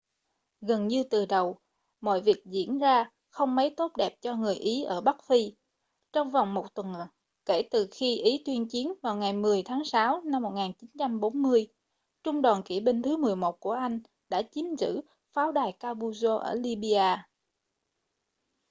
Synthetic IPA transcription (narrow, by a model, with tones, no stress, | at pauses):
ɣə˨˩nɲɨ˧t̪ɨ˨˩ɗə˨˩w | mɔ̰˧˨jvi˨˩ək̚zḭ˧˩˨ənzaː˧ | xə˧wŋ͡mmə˨˦jt̪o˦˥t̚ɗɛ˨˩p̚t͡ɕɔ˧ŋɨ˨˩əjʔi˨˦ʔəː˧˩ɓa˦˥k̚fi˧ | t͡ɕɔ˧wŋ͡mva˨˩wŋ͡mmo˨˩t̚t̪wə˨˩n | ke˧˩t̪ɨ˨˩xi˧ʔi˨˦t̪wi˧ənt͡ɕi˨˦ənvaː˨˩wŋa˨˩jmɨ˨˩əjt̪ʰaː˨˦ŋsaː˨˦wna˧mːo˨˩t̚ŋaː˨˩nt͡ɕi˨˦nt͡ɕa˧mɓo˨˦nmɨ˧əj | t͡ɕʊ˧ŋ͡mɗɔː˨˩nki˧˩ɓi˧ŋ̟t̪ʰɨ˨˦mɨ˨˩əjmo˨˩t̚ku˧˩əʔa˧jŋ̟ | ɗa̰ː˧˥t͡ɕi˨˦nzɨ̰˧˥ | faː˨˦wɗaː˨˩jkaː˧ɓu˧zo˧ʔə̰ː˧˩li˧ɓi˧aː˧